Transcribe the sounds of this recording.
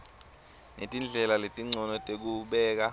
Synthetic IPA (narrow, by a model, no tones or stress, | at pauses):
netʼind͡ɮʱɛlaletʼiŋ͡ǀʱɔnɔtʼek̬uɓɛːk̬a